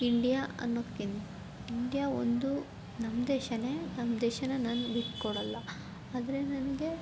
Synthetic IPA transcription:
iɳɖijaɐ̰nːokːin | iɳɖijao̰nd̪u | nɐmd̪ɛːʃɐneːnɐmd̪ɛːʃɐnɐnaːnubiʈːkɔɽɐlːɐ | aːd̪ɐɾe̞nɐnɐɡe̞

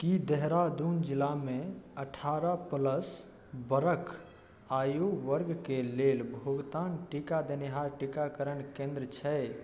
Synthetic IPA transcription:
kid̪əɦɾad̪und͡ʒilameəʈʰaɾəpələs | bəɾəkʰ | ajoʋəɾɡkelelbʱuɡt̪anʈikad̪eniɦaɾʈikakəɾənkẽnd̪ɾət͡ʃʰɛ

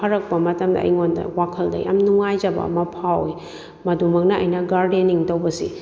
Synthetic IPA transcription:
ɐɾɐk̚pɐmɐtɐmdɐ̰ʔɐ̰jŋondɐ̰wakʰɐldɐ̰ja̰mnuŋajd͡ʒɐbɐ̰ɐ̰mɐpʰawj | mɐdumɐk̚nɐɐjnɐɡaɾdeniŋtɐwbɐsḭ

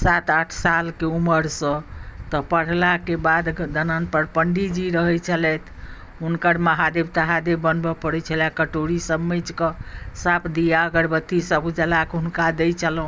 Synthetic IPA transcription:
sat̪aʈʰsalkeuməɾsə̃t̪ɔpəɽ̤lakebad̪d̪ənanpəɾpəɳɖid͡ʒiɾəɦɛt͡ʃʰəlɛt̪ʰ | unkəɾməɦad̪ebt̪aɦad̪ebːənbəpəɽɛt͡ʃʰəlakəʈoɾisəbmet͡ʃkəsapʰd̪ijaəɡəɾbət̪ːisəbd͡ʒəlakɦunkad̪ɛjt͡ʃʰəlɦũ

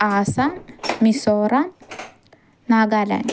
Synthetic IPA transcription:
aːsanmisoɾan | aɡalɐ̰n

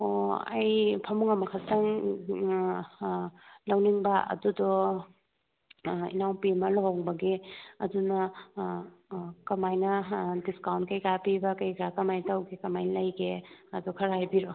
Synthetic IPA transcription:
oɐ̰jpʰɐmuŋɐmɐkʰatɐŋ | lawniŋbɐʔɐ̰dudɔ | ḭnawpimɐlaɦowŋbɐɡeɐ̰dunɐ | kɐmajnɐdiskawntkɐjkapibɐkɐjkʰɾakɐmajtawɡekɐmajnlɐjɡeɐdukʰɐɾajbiɾɔ

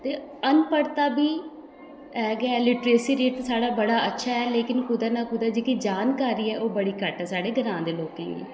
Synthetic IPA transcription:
t̪eːənpəɾt̪aːbʱiː | ɛːɡɛːlɪʈɾeːsiːɾeːʈ̪ːsaːɽaːbəɽaːətːʃʰaːɦɛːleːkɪnkʊd̪aːnaːkʊd̪aːd͡ʒeːkid͡ʒaːnkaːɾiːɛːʔoːbəɽiːkəʈɦɛːsaːɽeːɡənãːnd̪eːloːkḛ̃ːɡḛː

